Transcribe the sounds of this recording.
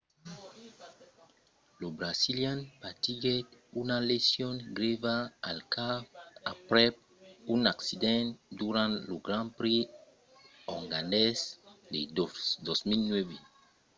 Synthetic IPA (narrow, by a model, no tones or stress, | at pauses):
lobɾasiljãnpat̪iɡɛtunalesjɔ̃nɡɾevaːlkaapɾɛ | ũnaksid̪ɛ̃nd̪uɾãnloɡɾãnpɾe | ɔŋɡãndɛsd̪ḛd̪ɔsmilnwɛve